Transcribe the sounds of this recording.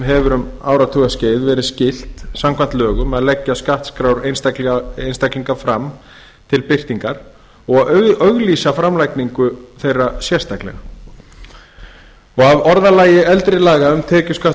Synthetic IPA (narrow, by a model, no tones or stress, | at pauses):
mɦɛvʏɾʏmaːwɾat̪ʰuɣasceːjðvɛːɾɪscɪl̥t̪samkʰvan̥t̪lœːɣʏmɛðalɛcːaskaht̪skɾawɾenst̪lejnst̪ajkliŋkafɾam | t̪ʰɪlpɪr̥t̪iŋkaɾ̥ | ɔɣaœɣliːsafɾamlajkniŋkʏθejrːasjɛrst̪ahklɛ̰ɣa | ɔɣavɔɾðalaːjɪʔɛlt̪ɾɪlaːɣaʏmt̪ʰɛːcʏskah